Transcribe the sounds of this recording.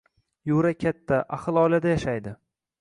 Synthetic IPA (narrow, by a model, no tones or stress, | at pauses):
joɾakʲʰat̪ʰːaʔaχɨlˠɒjlad̪ajaʃajd̪ɪ